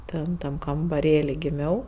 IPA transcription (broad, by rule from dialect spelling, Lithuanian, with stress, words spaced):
ˈtʲɛn ˈtɐm kɐmbɐˈrʲeːlʲɪ ɡʲɪˈmʲɛʊ